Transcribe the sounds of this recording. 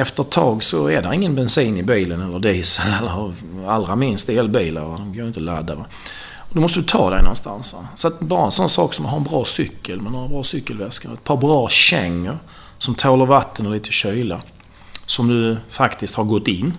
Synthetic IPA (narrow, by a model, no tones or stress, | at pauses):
ɛft̪əɾt̪ʰːɑːɡsɔɛd̪æɾɪŋːənbɛnsiːnɪbiːlənɛlːəd̪iːsəlɛlːəɾ | alːɾamɪnst̪eːlbiːla̰ɾɛd̪ɔmkʰaɪnt̪əla̰d̪ːava | ɔd̪ɔmɔst̪əd̪ɵt̪ʰɑ̰ːd̪ɛɪnɔnst̪a̰nsʋasɔat̪bɑːɾaɛnsɔnːsɑːksɔmd̪ɵɦaɾənbɾɑːsʏkːəlmɛnoːɾabɾɑːsʏkːəlvɛskaɾɛt̪̚pʰɑːɾbɾɑːɕɛŋːəɾ | sɔmt̪ʰoːlaɾvat̪ʰːənɔliːt̪ʰəɕœjla | sɔmd̪ɵfakt̪ɪst̪haɾɡɔt̪ːɪnː